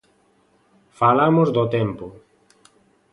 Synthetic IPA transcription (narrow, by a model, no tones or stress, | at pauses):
falamozd̪ot̪ɛmpʊ